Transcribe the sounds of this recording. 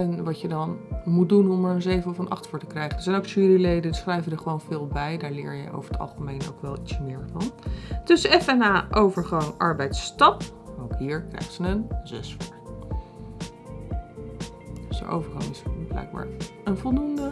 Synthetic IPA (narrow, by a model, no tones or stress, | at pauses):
ɛnʋɑcjədɑnmut̚dunɔmaːɹənzejvəɔfənʔɑ̰χtfʊːɹtəkrɛjχədəɹsɛjnoʊwksyːrilejdənsχrɛjvədəɹχəʋownvɪːlˠbɛjdaːɹlɪ̰ːɹjə̰jʔo̰wvəɹətʰɑ̰lˠχəmejno̰wkʋɛlˠitsmɪːɹvɑntɵsəɛfɛnaːʔowvəɹχɑŋʔɑɹbɛjtstɑpowkɦiːɹkrɛ̰jχzənənzɛ̰sfʊɹ | dsdə̰ʔo̰wvəɹχɑ̰ŋɪsblɛ̰jɡ̚ba̰ːɹənvɔlˠdundə